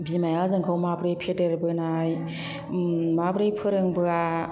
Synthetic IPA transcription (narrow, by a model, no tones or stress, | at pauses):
bimajazɯŋkʰɯwmabɾɯjpʰedeɾbɯnaj | mabɾɯjpʰɯɾɯŋbɯa